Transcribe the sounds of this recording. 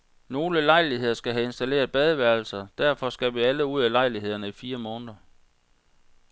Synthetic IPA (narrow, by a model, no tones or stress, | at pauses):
no̝ːləlɑ̈ɪlihe̝ð̰ˠɐsɡ̥æɦæe̝nsd̥æle̝̰ːɐð̞ˠb̥ɛð̞ˠəʋæɐl̩sɐd̥æɐ̰fɒ̽sɡ̥æʋiæləuð̞̰ˠælɑ̈ɪliɦe̝ð̞̰ˠɐnəifiːɐmɔ̽ːnəðˠɐ